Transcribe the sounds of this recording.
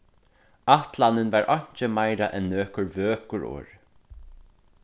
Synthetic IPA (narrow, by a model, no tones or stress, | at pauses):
aht̪lanːɪnvaɾʔɔɲ̥t͡ʃəmajɾaʔɛnːøːkʊɹvøːkʊɹɔ̰ːɹ